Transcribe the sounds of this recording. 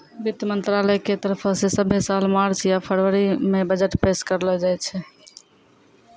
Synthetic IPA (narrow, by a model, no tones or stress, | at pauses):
bit̪əmənt̪ɾalɛjket̪əɾpʰsesəbʱesalmaɾt͡ʃjapʰəɾʋəɾimebəd͡ʒəʈpeskəɾlɛd͡ʒajt͡ʃʰɛ